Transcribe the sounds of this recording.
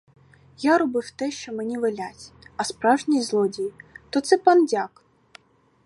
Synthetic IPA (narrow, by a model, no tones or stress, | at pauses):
jaɾɔbɪwt̪ɛʃt͡ʃɔmenʲiʋelʲatʲɐspɾɑwʒnʲijzlˠɔdʲijit̪ɔt̪sɛpɑndʲak